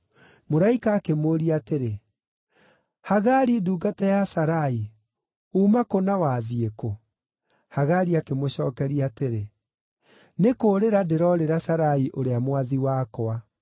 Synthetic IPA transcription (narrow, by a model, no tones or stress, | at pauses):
moɾaikaːkemoːɾiateɾe | haɣaɾiduːɡatɛjasaɾai | uːmakonawaːðieko | haɣaɾiakemoɕɔːkɛɾiateɾe | nekoːɾeɾadeɾɔɾeɾasaɾaiʔoɾeamwaðiwaːkɔa